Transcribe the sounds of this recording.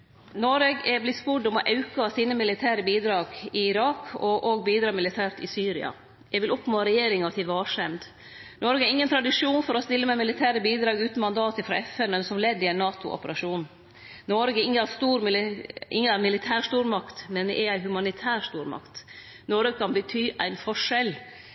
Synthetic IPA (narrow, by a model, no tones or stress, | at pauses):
nɔɾeɡɛblɪt̪spʊɖɔmɔʔɑʉkɑsiːnəmɪlɪt̪ʰæːɾəbiːd̪ɾɑːɡɪɪɾɑːkʰɔʔoːɡ̚biːd̪ɾɑːmɪlɪt̪ʰæːɾt̪ɪsyːɾɪ̰ɑ̰ | jɛɡʋɪlʔɔpːnoːɾɛjeːɾɪŋɑt̪ʰɪʋɑːʂɛnd̪ | nɔɾɡəɛɾɪŋːənt̪ʰɾɑd̪ɪʂuːnfɔɾɔst̪ɪlːəmæɪmɪlɪt̪ʰæːɾəbiːd̪ɾɑːɡʉːt̪n̩mɑnd̪ɑːt̪əfɾɑ̰ɛfɛnmɛnsɔmlɛd̪ːɪæɪnːɑːt̪ʊʔɔ̰pəɾɑʂuːn | nɔɾɡəɪŋːəɑst̪uːɾmʔɪŋːəɑmɪlɪt̪ʰæːʂt̪uːɾmɑkt̪mɛnd̪ɛ̰ʔææɪɦʉmɑnɪt̪ʰæːɾʂt̪uːɾmɑ̰kt̪ | nɔɾɡəkʰɑnbət̪ʰyːʔæ̰ɪnfɔʂɛl